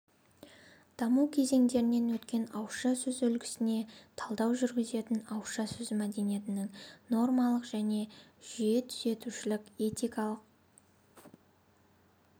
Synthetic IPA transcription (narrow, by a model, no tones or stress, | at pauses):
d̪̥ɑmuwkʲʰe̞ze̞ŋd̪e̞ɾɪne̞nwɵt̪kʲe̞nɑwʃɑsɵzwɵlɡʲɪ̥sɪne̞t̪ʰɑlˠd̪ɑwʒʏɾɡʲɪze̞t̪ɪnɑwʃɑsɵzmæd̪e̞nijet̪ɪnɪŋno̞rmɑlˠəqʒ̥æne̞ʒ̥ijet̪ʰʏze̞t̪uʃɪlɪkʲe̞t̪ʲijkɑlˠəq̚